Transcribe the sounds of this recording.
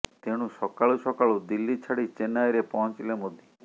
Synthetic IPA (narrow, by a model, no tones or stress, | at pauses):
t̪eɽ̃ũsɔkaɭusɔkaɭud̪ilːit͡ʃʰaɽit͡ʃenajɾepɔɦɔ̃nt͡ʃilemod̪ʱji